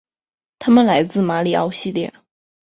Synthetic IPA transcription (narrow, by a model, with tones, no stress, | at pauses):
t̪ʰa˥mə˨nla˧˥ɪt͡sɹ̩˥˩ma˧˥li˨˩ɑ̰˥˩ʊɕi˥˧ljɛ̰˥˩